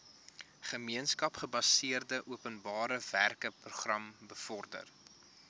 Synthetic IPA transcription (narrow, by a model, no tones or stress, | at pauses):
χəmiənskɐpχəbɐsiərdəʔuəpənbɑːɾəværkəpruχrɐmbəfɔrdə̰r